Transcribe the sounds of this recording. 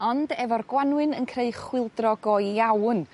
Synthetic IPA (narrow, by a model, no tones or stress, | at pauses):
ɔndɛvɔrɡwanwɨnənkʰreɨχwɪlˠdrɔɡɔjawn